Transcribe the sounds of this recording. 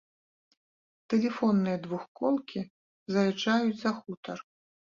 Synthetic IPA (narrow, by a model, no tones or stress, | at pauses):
t̪ɛlʲɛfɔnːɨjɐd̪vuxkɔlˠkʲi | zɐjʲɛt͡ʂajuzsɐxut̪ɐr